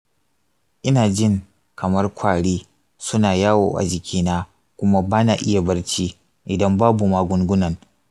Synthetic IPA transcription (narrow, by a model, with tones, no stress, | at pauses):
ʔɪ˦naː˨d͡ʒɪ˦ŋ | kʰɐ˨mɐ˦rkʷʰaː˨ɽiː˦ | sʊ˦naː˨jaː˦wo̰ː˨ʔa̰˨d͡ʒɪ˨kʲʰiː˦naː˦ | kʷʊ˦ma˦baː˦naː˨ʔɪ˦ja˨bɐ˦rt͡ʃiː˦ | ʔɪ˨dɐ˦mbaː˦bu˨maː˨ɡʷʊ˦ŋɡʷʊ˦nɐ˨ŋ